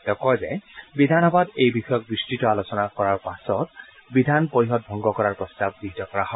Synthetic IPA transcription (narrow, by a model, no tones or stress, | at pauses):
tɔkɔjzɛ̰bidʱanɔbadejbixɔjɔk̚dɹistɹitɔalosɔnakɔɹaɹpasɔtbidʱanpoɹiɦɔt̚bʱɔŋɡɔkɔɹaɹpɔstab̚ɡiɦitɔkɔɹaɦɔ